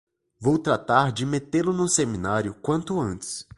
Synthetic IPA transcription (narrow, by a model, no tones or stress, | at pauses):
vowt̪ɾat̪aɾd͡ʒɪmet̪elʊnũsemĩnaɾjʊkwɐ̃nt̪ʊɐ̃nt͡ʃɪ̥s